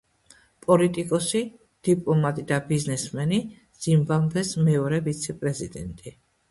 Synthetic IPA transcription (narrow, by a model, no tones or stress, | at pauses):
pʼɔlit̪ʼikʼɔsi | d̪̥ipʼlˠɔmat̪ʼid̪abiznɛsmɛni | z̥imbamvɛsmɛɔɾɛbit̪sʰɛpʼɾɛzid̪ɛnt̪ʼi